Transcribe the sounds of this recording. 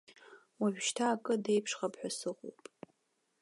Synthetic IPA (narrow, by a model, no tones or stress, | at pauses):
waʒʷᶣʃtʰaːkʼɨde̞jpʰʂχapʰħʷᶣasɨʁʷo̰pʼ